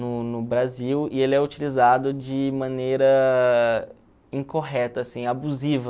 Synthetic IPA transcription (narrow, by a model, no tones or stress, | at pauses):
nʊnʊbɾaziwɪelɪɛut͡ʃilizad̪ʊd͡ʒɪmɐ̃nejɾɐ | ĩkoɦɛt̪ɐːsĩabuzivɐ